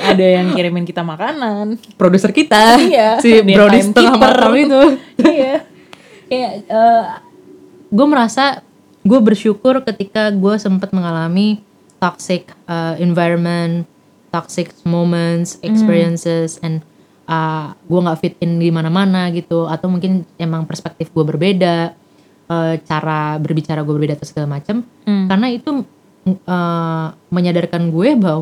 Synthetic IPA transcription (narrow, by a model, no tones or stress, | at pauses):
adajaŋkiɾimɪnkit̪amakananpɾodusərkit̪ajasibɾadist̪əŋamalit̪uja | kajaə | ɡuaməɾasa | ɡuabərʃukʊrkət̪ikaɡuasəmpat̪̚məŋalami | t̪ɔksɪkəɛnvajɾɔnmən | t̪ɔksɪksmomənt̪sɛkspiɾiənsəsɛn | ʔəɡuaŋɡafɪt̪̚ɪnɡimanamanaɡit̪uat̪awmuŋkɪnemaŋpərspɛk̚t̪ɪfɡuabərbeda | ət͡ʃaɾabərbit͡ʃaɾaɡuabərbedat̪asəɡalamat͡ʃamkarnait̪u | ə | məɲadarkanɡuɛbaw